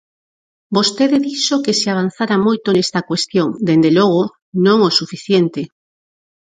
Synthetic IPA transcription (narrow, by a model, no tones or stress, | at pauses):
bost̪eðeðiʃokeseaβ̞an̟θaɾamojt̪onest̪akwest̪joŋd̪end̪eloɣ̞o | nõŋosufiθjent̪e